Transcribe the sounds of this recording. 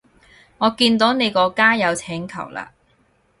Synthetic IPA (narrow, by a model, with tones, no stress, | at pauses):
ŋɔː˨˧kiː˧nt̪o˨˥wne˨˧jkɔː˧kaː˥jɐ˨˧wt͡sʰɛː˨˥ŋkʰɐ̰˨˩wla̰ː˧